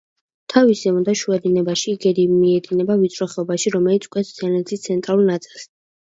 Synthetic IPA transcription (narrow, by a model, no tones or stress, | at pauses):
t̪ʰavisɛund̪aʃuɛd̪inɛbaʃiɡɛd̪iiɛd̪inɛbavit̪sʰʼɾɔχɛɔbaʃiɾɔmɛlit̪skʼwɛszɛnɛt̪ʰist̪sʰɛnt̪ʼɾalˠulnat̪sʼilˠs